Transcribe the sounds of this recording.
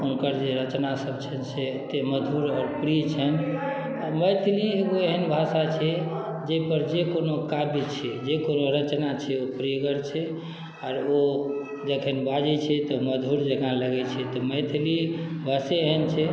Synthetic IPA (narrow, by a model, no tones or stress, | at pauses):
unkəɾd͡ʒeɾət͡ʃnasəbt͡ʃʰɛnset̪eməd̪ʱuɾɔːɾpɾit͡ʃʰɛn | aməjt̪ʰlieɡoeɦənbʱasat͡ʃʰɛ | d͡ʒepəɾd͡ʒekonokabit͡ʃʰɛd͡ʒekonoɾət͡ʃnat͡ʃʰɛopɾiɡəɾt͡ʃʰɛ | aːɾo | d͡ʒəkʰenbad͡ʒɛt͡ʃʰɛt̪ɔməd̪ʱuɾd͡ʒekãləɡɛt͡ʃʰɛt̪ɔməjt̪ʰlibʱaseeɦənt͡ʃʰɛ